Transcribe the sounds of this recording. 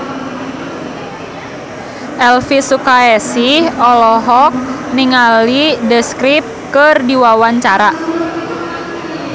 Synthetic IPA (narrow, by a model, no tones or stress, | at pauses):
ʔɛlfisukaɛsiɔlɔɦɔk̚niŋalidəskɾip̚kərdiwawaɲt͡ʃaɾa